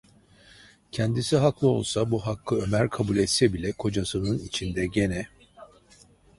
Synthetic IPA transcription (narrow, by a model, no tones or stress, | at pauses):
cʰɛnd̪isiɦaklˠɯo̞̰lˠsabuɦakːɯø̞mæɾkʰabulʲɛt̪sɛbilʲɛkʰo̞d͡ʒasɯnɯnit͡ʃʰind̪ɛɟe̞nɛ